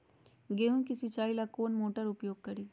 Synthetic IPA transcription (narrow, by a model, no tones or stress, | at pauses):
ɡeːɦũkisit͡ʃaːilakoːnmoːʈəɾʊpjoːɡ̚kɐɾiː